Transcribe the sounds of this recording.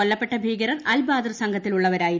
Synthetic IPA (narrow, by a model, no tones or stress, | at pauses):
olːɐpːe̞ʈːɐbʱiːɡɐɾɐmɐlbaːd̪ɐrsɐŋɡʱɐt̪ːiluɭːɐʋɐɾaːji